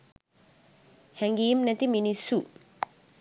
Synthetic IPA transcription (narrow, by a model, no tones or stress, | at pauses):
hɛŋɡiːmnɛt̪iminisːu